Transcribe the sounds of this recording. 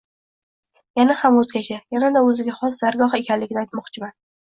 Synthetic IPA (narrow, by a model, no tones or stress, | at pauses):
janahamɵzɡʲat͡ʃʰajanad̪aɵzɪɡʲaχɒs̬z̥aɾɡɒɦɨekʲʰanlɪɡʲɪnajt̪mɒqt͡ʃʰɪman